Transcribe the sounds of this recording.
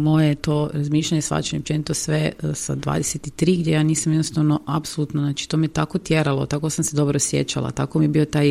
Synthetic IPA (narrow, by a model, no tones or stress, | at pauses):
mo̞jet̪oɾazmiːʃʎaɲesʋa̰t͡ʃeɲeop̚t͡ʃenit̪osʋesa̰d̪ʋa̰ːd̪eset̪it̪ɾiːɡd̪ʲjejaːniːsamjednost̪aʋnoʔapsolˠut̪noznat͡ʃi̥t̪omet̪akot̪jeɾalˠo̞̰t̪akosamse̞d̪o̞bɾosjḛt͡ɕalˠa̰t̪akomijebio̞t̪aj